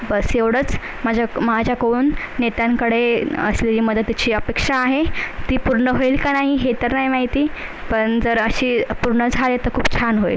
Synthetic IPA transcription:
bəseʋɽ̤ət͡s | mad͡ʑʱamad͡ʑʱjakouːnː | et̪jãŋkəɽeəsleiːməd̪ʱət̪ːit͡ɕiːəpekʂaːɦet̪iːpuɾɳəɦoilkanaɦiɦet̪əɾnaɦimaɦit̪iːpəɳd͡zəɾəɕiːpuɾɳəd͡zʱalet̪əɾkʰuːb̚t͡ɕʰanɦoḭl

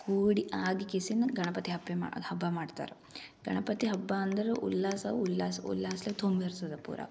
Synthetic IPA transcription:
kuːɽiʔaːɡikesinːɐɡɐɳɐpɐt̪iɦɐbːema̰hɐbːamaːɖt̪a̰ːɾu | ɡɐɳɐpɐt̪iɦɐbːaːɐnd̪ɐɾuʔṵlːaːsɐulːaːsṵlːaːslet̪ombiɐɾsɐd̪ɐpṵːɾʔa̰ː

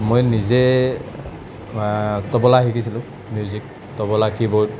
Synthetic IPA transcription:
mojnizɛ | tɔbɔlaɦikisilʊ̃ | mjuzik̚ | tɔbɔlakibot̚

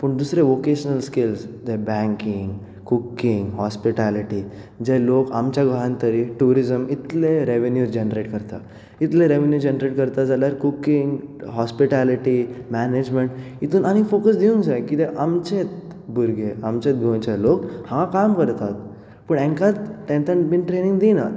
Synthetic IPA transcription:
pəɳd̪usɾeʋokeɕənəlskilst̪ebɛ̃ŋkiŋɡ | kukːiŋɡɦɔspiʈaliʈi | d͡ʑeloka̰mt͡ɕjaɡʱəɦãnt̪əɾiʈuɾizəmit̪leɾeʋenjuɾd͡ʑenɾeʈkəɾt̪a̰ | it̪lẽɾeʋenjud͡ʑenɾeʈkəɾt̪ad͡zaljaɾkukːiŋɡɦɔspiʈaliʈimæned͡ʑmeɳʈ | it̪uːnañifokəsd̪iuŋɡd͡zajkit̪eʔamt͡ɕet̪ | buɾɡʱeamt͡ɕet̪̚bʱõnt͡ɕalokhãakamkəɾt̪at̪̚ | pəɳẽŋkat̪ʈ̪ẽnt̪ənbinʈɾeniŋɡd̪ina

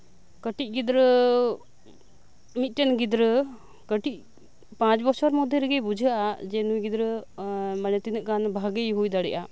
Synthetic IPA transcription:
kəʈit̪̚ˀɡid̪ɾə | mit̪̚ʈɛnɡid̪ɾə | kəʈiʔ̚ | pãt͡ʃbɔɾsʰaɾmɔd̪ʱːjəɾɛɡɛbud͡ʒʱəʔad͡ʒɛnujɡid̪ɾəmanɛt̪inəʔkanbʱaɡəjɦujd̪aɽɛʔa

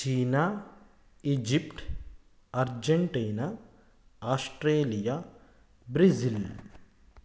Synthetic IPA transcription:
t͡ʃiːna | id͡ʒipʈ | ɐɾd͡ʒeɳʈiːna | aːsʈɾeːlija | bɾizil

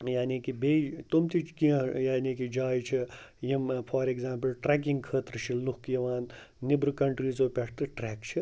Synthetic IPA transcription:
jaːniːkibeːt̪umt̪ʰit͡ʃʰkiɐ̃jaːniːkid͡ʒaːjt͡ʃʰijimpʰaːɾeɡzaːmpɨlʈɾɛːk̬iŋɡkʰəːt̪ɾɨt͡ʃʰilukjɐʋaːnː | ibɾɨkɐɳʈɾiːzoːpeʈʰt̪ɨʈɾɛːkt͡ʃʰi

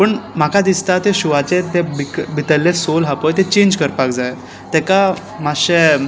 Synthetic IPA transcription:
pəɳm̤akad̪ist̪at̪eɕuʋat͡set̪ebikbʱit̪əlːesolɦapojt̪et͡ɕend͡ʑkəɾpakd͡zaj | t̪ɛka | maɕe

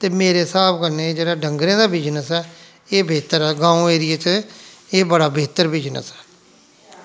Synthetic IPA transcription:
t̪eːmeːɾeːsaːbkəɾneːd͡ʒeːɽaːɖəŋɡɾẽːd̪aːbiːd͡ʒnəsɛː | eːbeːt̪əɾɛːɡãːõːeːɾɪeːt͡ʃeːbəɽaːbeːt̪əɾbiːd͡ʒnə̰sɛ̥ː

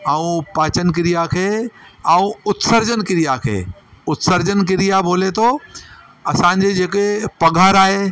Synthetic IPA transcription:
aũpaːt͡ɕənɪ̆k̬ɪɾijakʰeːɐ̃ũʊt̪səɾd͡ʑənkɪɾijakʰḛːʊt̪səɾd͡ʑənk̬ɪɾijabʱoːlet̪ʰo | ɐsãːɲd͡ʑed͡ʑeːkepɐɡʱaːɾaːɦe

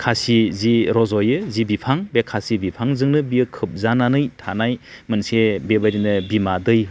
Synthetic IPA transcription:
kʰasiziɾɔzɔjɯzibipʰaŋbekʰasibipʰaŋzɯŋnɯbiɯkʰɯp̚zananɯjtʰanajmɯnsebebaɾinɯbimadɯj

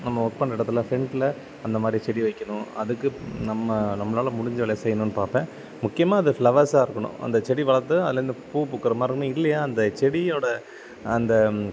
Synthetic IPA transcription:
nɐmːɐɔk̚pɐɳɖɪɽɐt̪ːɪlɐfɾɛɳʈlɐ | ɐnd̪ɐmaːd̪ɾit͡ʃɛɽiʋɐɪkːɐɳʊ̃ɐðɯkːɯnɐmːɐnɐmːɐlaːlɐmʊɽɪɲd͡ʒɐʋɐɭɐjsɛjːɐnʊ̃nːɯpaːɾpẽː | mʊkːɪjɐmaːɐðɯfɭɐʋɐɾsaːɪɾɯkːɐɳʊ̰̃ʔɐ̰nd̪ɐt͡ʃɛɽiʋɐɭɐɾt̪ɯɐðɯlɐɾɯnd̪ɯpuːpukːɐɾɐmaːɪɾɯkːɐɳɯ̃ɪlːɐjaːɐnd̪ɐt͡ʃɛɽioːɽɐ | ɐnd̪ɐ

